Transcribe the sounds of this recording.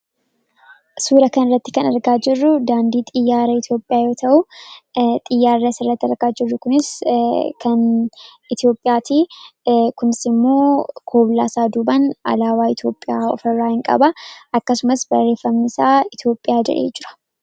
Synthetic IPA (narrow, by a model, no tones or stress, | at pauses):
suːɾɐkɐnrːɐt̪ːɪ̥kɐnɐɾɡaːd͡ʒɪrːʊd̪aːnd̪iːt̪ʼɪjːaːɾɐɪt̪jo̞ːpʼːɪjaːjo̞ːt̪ʰɐʔʊ | t̪ʼɪjːaːrːɐsɪrːɐt̪ːɪɐɾɡaːd͡ʒɪrːʊkʊnɪskʰɐnɪt̪jo̞ːpʼːɪjaːt̪iː | kʊnɪsɪmːoːkʰoːblaːsaːd̪uːbɐnɐ̰laːwaːɪt̪jo̞ːpʼːɪjaːɔ̰fɐrːaːhɪŋkʼɐ̰bɐʔɐkːɐsʊmɐsbɐreːfɐmnɪsaːɪt̪jo̞ːpʼːɪjaːd͡ʒɛ̰ᶑḛːd͡ʒɪɾɐ̥